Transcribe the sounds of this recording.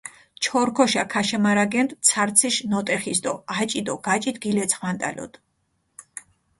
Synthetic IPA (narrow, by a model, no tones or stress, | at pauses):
t͡ʃʰɔɾkʰɔʃakʰaʃɛmaɾaɡɛnt̪ʼt̪sʰaɾt̪sʰiʃnɔt̪ʼɛχist̪ʼɔat͡ʃʼid̪ɔɡ̥at͡ʃʼit̪ɡilɛt̪sʰχwant̪ʼa̰lɔ̰d̪